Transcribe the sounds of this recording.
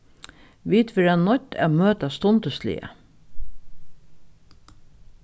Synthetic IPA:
ʋiːt̪ʋɪɾɛnːɔt̪æ̰møːt̪ast̪ɔnt̪əslɪ̰ə̰

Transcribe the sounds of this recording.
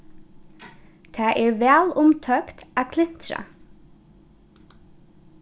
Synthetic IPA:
t̪ʰæːʔeːɹʋæːlʊmt̪ʰœkt̪æːkʰlɪnt̪ɾɑ̰

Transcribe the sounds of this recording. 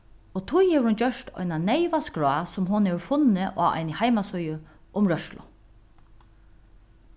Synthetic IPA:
ot̪ʰʊjhɛːʋəɾhʊnd͡ʒœʂt̪ɔ̰jnanɛjʋaskɾɔasʊmɦʊnheːʋəɾfʊnɪʔaa̰jnɪhajmasɔjəʔʊmɹœʃlʊ̰

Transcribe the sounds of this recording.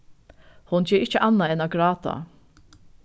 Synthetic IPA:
hʊnt͡ɕʰeːɾɪt͡ʃəʔɑnːaɛnɑɡɹɑːt̪a̰

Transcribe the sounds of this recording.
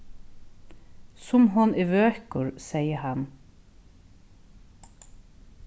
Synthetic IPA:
sʊmɦʊnɪʋøːhkʊɹsɛɪjəhɑn

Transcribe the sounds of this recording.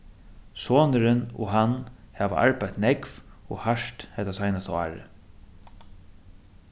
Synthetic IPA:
soːnəɾɪnɔ̰ɦanhæːʋa̰ʔa̰ɹpajt̪nɛkvɔhaʂt̪hɛt̪asajnast̪aa̰ːɹɪ̰

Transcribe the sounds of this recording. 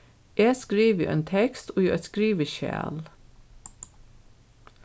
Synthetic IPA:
ʔeːskɾiːʋjṵːʔḛːnt̪ʰɛkst̪oːjuːɛt̪skɾiːʋəʃæ̰ːl

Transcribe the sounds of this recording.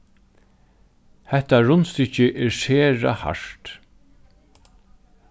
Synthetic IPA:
hɛht̪aɹʊnst̪ʏt͡ʃɪʔɛɹseːɹa̰ha̰ʂt̪

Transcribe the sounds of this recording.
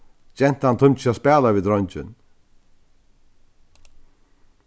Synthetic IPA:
t͡ɕɛn̥t̪ant̪ʰʊnt͡ʃaspɛːlaviːd̪ɾɔjɲt͡ʃɪ̰n

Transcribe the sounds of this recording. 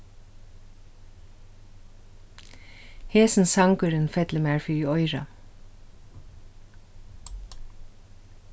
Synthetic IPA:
heːsn̩sɑŋkəɾənfɛt̪ləmæːɹfyːɔʏɹɑ̰

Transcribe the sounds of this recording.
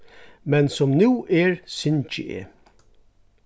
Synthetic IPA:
mɛnsɔmnuːʔeːɹsʏnt͡ʃɪ̰ʔḛ

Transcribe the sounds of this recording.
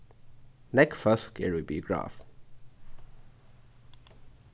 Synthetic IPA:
nɛkfəskʰɛ̰ɹibiɡɹa̰ːf

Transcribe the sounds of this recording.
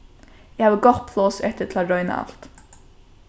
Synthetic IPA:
ɪhaːʋəɡɔpʰlˠɔːsɛht̪ətʰlaɾœʏna̰a̰lt̪

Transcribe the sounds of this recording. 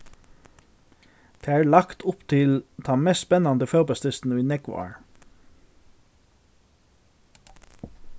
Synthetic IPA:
d̪̥eːæːɹɭɑkt̪ʰʊpt̪ʰɪlt̪ʰɑːmɛsspɛnɑnd̪əfølbɑst̪ɪst̪n̩əiːnɛɡʋɑ̰ːɹ

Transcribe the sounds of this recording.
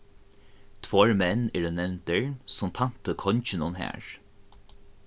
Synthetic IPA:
t̪ʰvɔɹmɛnːɛɹənɛwnt̪ɛɹsʊmt̪ʰan̥t̪əkʰɔɲt͡ʃɪnʊnɦæ̰ːɹ

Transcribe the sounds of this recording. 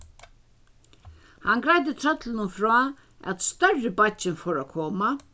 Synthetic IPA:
hanɡɾajt̪̬ɪt̪ʰɾœt̪lɪnʊnfɾɔː | æ̰t̪st̪œrɪbat͡ʃɪnfɔːɾakʰɔːma

